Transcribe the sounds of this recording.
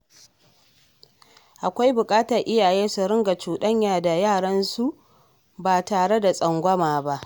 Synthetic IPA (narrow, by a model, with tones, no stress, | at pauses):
ʔa˨kʷa˦jbʊ˨kʼaː˦tɐ˨rʔɪ˦jaː˨jeː˦su˨ɾɪ˦ŋɡa˨t͡ʃuː˨ɗɐ˦ɲjaː˨da˨jaː˦˨ɽɐ˦nsu˦ʔ | baː˨taː˨ɽe˦da˨sʼɐ˨ŋɡʷɐ˦maː˨ba˦ʔ